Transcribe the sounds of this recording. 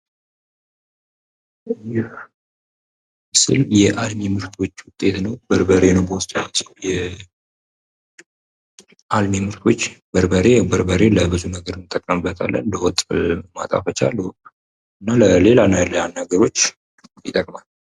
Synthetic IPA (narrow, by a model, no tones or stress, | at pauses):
jɪ | sɨljɛʔalmemɨɾt̪ʰwo̞t͡ʃːwʊt̪ʼːe̞t̪nəwbəɾbəɾe̞nəwbəwst̪ʼwt̪jɛ | ʔalmemɨɾt̪ʰwo̞t͡ʃːbəɾbəɾe̞bəɾbəɾe̞ləbɨzunəɡəɾɨnɨt̪ʼːəkʼːəmɨbːət̪ʰa̰lːə̰nd̪əwɔt̪ʼma̰t̪ʼa̰fət͡ʃa̰lːu | ɨnːaləle̞lanajɛlːjanːaɡəɾo̞t͡ʃː | jɪt̪ʼəkʼmal